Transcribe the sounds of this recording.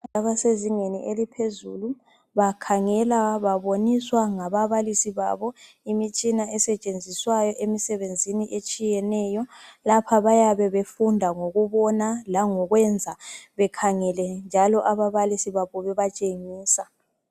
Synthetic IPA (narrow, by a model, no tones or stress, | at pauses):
aβaseziŋeniʔelipʰezulu | βakʰaŋɛlaβaβoniswaŋaβaβalisiβa̰βɔ | imit͡ʃʼinaɛsɛt͡ʃʼend͡zʱiswajɔʔemisɛβend͡zʱiniʔet͡ʃʼijɛnɛjɔlapʰaβajaβɛβefundʱaŋoɣuβɔnalaŋɔɣwɛnd͡zʱaβɛkʰaŋɛlɛnd͡ʒʱalɔʔaβaβalisiβaβɔβɛβat͡ʃʼeŋiːsa